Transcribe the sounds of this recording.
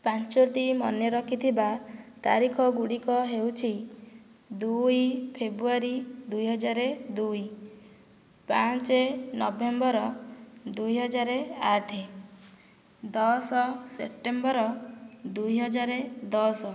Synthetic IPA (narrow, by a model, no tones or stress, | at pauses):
pant͡ʃoʈimɔnjɔɾɔkʰit̪ʰibat̪a̰ɾikʰɔɡuɽikɔɦewt͡ʃʰi | d̪ujpʰebɾuaɾid̪ujɦɔd͡ʒaɾed̪uj | pat͡ʃenɔbembɔɾɔd̪ujɦɔd͡ʒaɾeaʈʰe | d̪ɔsɔsḛp̚ʈembɔɾɔd̪ujɦɔd͡ʒaɾed̪ɔsɔ